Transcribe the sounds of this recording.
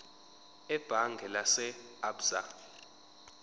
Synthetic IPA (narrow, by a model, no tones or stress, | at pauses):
ɛb̥ʱaŋɡʱɛlasɛabz̥a̰